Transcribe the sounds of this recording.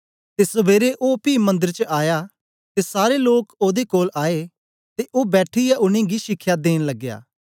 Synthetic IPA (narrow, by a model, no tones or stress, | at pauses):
t̪esɐbeːɾeʔoːpiːmɐ̃nd̪əɾt͡ʃəaːja | t̪esaːɾeloːkoːd̪ekoːlʔaːe | t̪eʔoːbɛːʈʰɪjaʔʊñẽɡiʃɪkʰːjad̪eːñlɐɡja̰ː